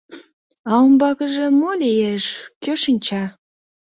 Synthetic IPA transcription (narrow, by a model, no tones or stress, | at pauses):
ɑombɑkəʒĕmolʲejeʃkøʃənʲt͡ɕɑ